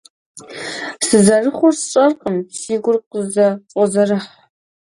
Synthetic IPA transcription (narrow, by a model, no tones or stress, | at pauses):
sɨzɐrɨχʷʊrst͡ʃʼɐrqʼəmsiːɡʷʊrq̚əzɐt͡sʼɔzɐrɨħ